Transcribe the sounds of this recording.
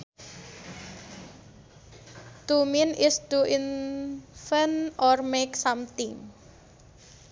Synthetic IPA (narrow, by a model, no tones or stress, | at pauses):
t̪uminɪst̪uʔin | fənɔrmeksamt̪ɪŋ